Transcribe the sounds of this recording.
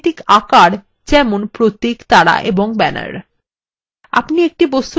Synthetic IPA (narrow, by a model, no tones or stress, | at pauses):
t̪ikakaɾ | d͡ʑɛmonpɾot̪ːikt̪aɽa̰ʔeboŋbɛna̰ɾ | a̰pniek̚ʈibost̪u